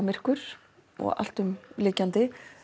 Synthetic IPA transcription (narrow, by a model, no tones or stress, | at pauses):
mɪr̥kʏɾ̥ | ɔ̰ɣa̰l̥t̪ʏmlɪːcant̪ɪ